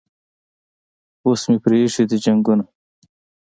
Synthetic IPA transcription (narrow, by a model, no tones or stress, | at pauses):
osmipɾeːʂid̪id͡ʑɐŋɡuna